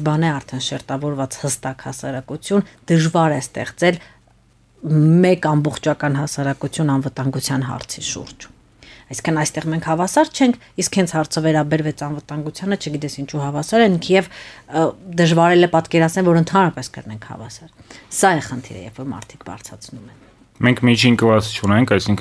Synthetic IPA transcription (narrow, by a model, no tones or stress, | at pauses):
bɑnɛɑɾt̪ʰɛnʃɛɾt̪ɑvɔɾvɑt͡shəst̪ɑkhɑsɑ̰ɾɑkut͡sʰjund̪̥əʒvɑɾɛst̪ɛ̰χt͡sɛl | mɛkɑmbɔχt͡ʃʰɑkɑnɦɑsɑɾɑkut͡sʰjunɑnvət̪ɑŋɡut͡sʰjɑnɦɑ̰ɾt͡sʰiʃṵɾd͡ʒ | ɑjsi̥ŋkʰənɑjst̪ɛʁmɛŋkʰhɑvɑsɑɾt͡ʃʰɛŋkʰ | iskhɛnt͡sʰhɑɾt͡sʰəvɛɾɑbɛɾvɛt͡sɑnvət̪ɑŋɡut͡sʰjɑnət͡ʃʰəɡit̪ɛsint͡ʃʰuɦɑvɑsɑɾɛkʰjɛv | d̪əʒvɑɾɛlɛpɑt̪kɛɾɑt͡sʰnɛlvɔɾənt̪ʰɑnɾɑpɛskə̰ɾnɛŋkʰhɑ̰vɑ̰sɑɾsɑɛχənt̪ʰḭɾə̰jɛ̰vfɔɾmɑ̰ɾt̪ʰi̥kbɑ̰ɾt͡sʰɑ̰t͡sʰnumɛ | mɛŋkʰmit͡ʃʰinkəvɑt͡sʰt͡ʃʰunɛŋkʰɑjsiŋkʰ